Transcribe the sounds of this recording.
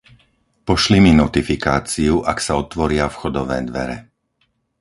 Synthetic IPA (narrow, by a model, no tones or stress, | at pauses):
pɔʃliminɔt̪ifikaːt͡siuʔaksaɔt̪ʋɔɾɪafxɔd̪ɔʋɛ̰ːd̪ʋɛ̰ɾɛ